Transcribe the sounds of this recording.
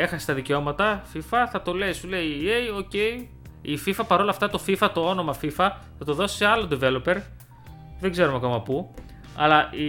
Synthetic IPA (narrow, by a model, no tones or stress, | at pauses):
e̞xɐse̥t̪ɐðiceo̞mɐt̪ɐfifɐθɐt̪o̞le̞sule̞ie̞jo̞ce̞i | ififɐpɐɾo̞lɐft̪ɐt̪o̞fifɐt̪o̞o̞no̞mɐfifɐ | θɐt̪o̞ðo̞si̥seɐlod̪ive̞lo̞pe̞ɾ | ðeɡze̞ɾumɐko̞mɐpu | ɐ̰lɐʔi